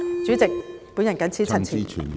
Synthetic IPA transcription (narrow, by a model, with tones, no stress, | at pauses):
t͡syː˨˥t͡sɪ˨k̚puː˨˥njɐ˨˩nkɐ˨˥nt͡sʰiː˨˥t͡sʰɐ˨˩nt͡sʰiː˨nʰ˨˩